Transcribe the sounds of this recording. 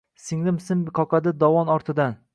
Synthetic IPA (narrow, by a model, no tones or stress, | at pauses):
sɪŋlɪmsɪmbɪqʰɒqʰɑd̪ɪd̪ɒwɒnɒɾt̪ʰɪd̪an